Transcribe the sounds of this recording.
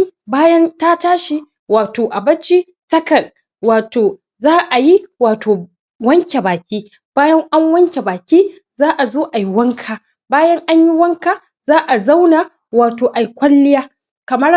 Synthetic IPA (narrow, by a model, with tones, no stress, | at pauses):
baː˦jɐ˦nta˦taː˦ʃi˦ | waː˨toː˨ʔa˨bɐ˦t͡ʃi˦ | tɐ˦kɐ˨n | waː˨toː˨ | zaː˦ʔa˨ji˦waː˨tʰoː˨ | wɐ˦ŋkʲe˨baː˨kʲiː˦ | b̥aː˦jɐ˦ŋʔa˦ŋwɐ˦ŋkʲe˨baː˨kʲiː˦ | zaː˦ʔa˨zoː˦ʔa˨ji˦wɐ˦ŋkʰaː˨ | baː˦jɐ˦ŋʔa˦ɲji˦wɐ˦ŋka˨ | zaː˦ʔa˨za˦wnaː˨ | waː˨toː˨ʔa˨jkʷɐ˦lːɪ˦jaː˦ | kɐ˨mɐ˦r